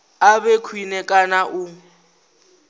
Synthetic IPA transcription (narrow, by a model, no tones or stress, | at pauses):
abekʰwinɛkʼanaʔʊ